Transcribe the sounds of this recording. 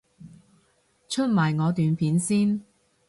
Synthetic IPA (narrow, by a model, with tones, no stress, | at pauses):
t͡ʃʰɵ˥t̚maː˨˩jŋɔː˨˧t̪yː˨npʰiː˨˥nsiː˥n